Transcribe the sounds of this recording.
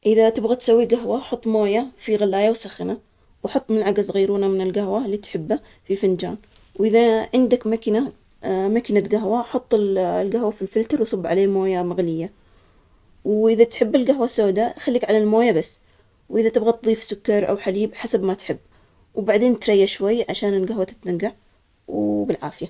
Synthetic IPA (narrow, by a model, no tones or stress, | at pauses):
ʔɪðat̪ɪbɣat̪sawːiɡaɦwaħʊt̪ˤːmoːjafiɣalːaːjawsaxɪna | wħɑt̪ˤːmɪnʕaɡazɣiːɾuːnamɪnɪlɡaɦwaliːt̪ħɪbːa | fifɪnd͡ʒa̰ːn | wʔɪðaʕɪnd̪akmakna | makɪnaɡaɦwaħʊt̪ˤːɪllɡahwafilfɪlt̪ɑɾˤwsˤɨbːʕaleːmoːjamaɣlɪjːa | wʔɪðat̪ħɪbːɪlɡaɦwasoːd̪axalːiːkʕalalmoːjabasː | wʔɪðat̪ɪbɣat̪ðˤiːfsʊkːɑɾˤʔa̰wħaliːbħasabmat̪ħɪbː | wbaʕd̪eːnt̪ɾˤɑjːaʃwajːʕaʃaːnɪlɡaɦwat̪ɪ̥t̪naɡːaʕ | wbɪlʕa̰ːfɪja